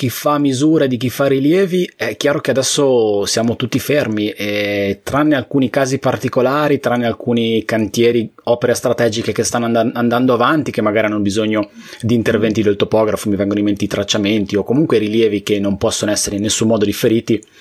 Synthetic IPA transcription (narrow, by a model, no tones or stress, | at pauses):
k̟ifamizuːɾed̪ik̟ifːariljɛːviɛk̟jaːɾokead̪ɛsːosjaːmot̪ut̪ːifermiʔɛt̪ɾanːealkuːnikaːzipart̪ikolaːɾit̪ɾanːealkuːnikant̪jɛːɾi | ɔːpeɾest̪ɾat̪ɛːd͡ʒikekest̪anːoaand̪and̪oavant̪ik̟emːaɡaːɾianonobizoɲːo | d̪iːnt̪ervɛnt̪id̪iat̪opɔːɡɾafomivɛŋɡonimːent̪id̪it̪ɾat͡ʃːament̪iokomuŋkweɾiljɛːvikenːompɔsːonoɛsːeɾeinːesːumːɔːd̪od̪ifːeɾiːt̪i